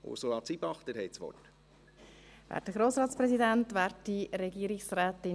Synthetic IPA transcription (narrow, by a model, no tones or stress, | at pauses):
o̰soːɑt͡sibɑχt̪əɾhɛɪt͡sʋɔ̰t | væ̰ːɾd̥əɡ̥ɾoːsɾɑːtt͡sprɛsidæntʋɛːɾtːiɾɛɡiːəɾɪksræːtɪ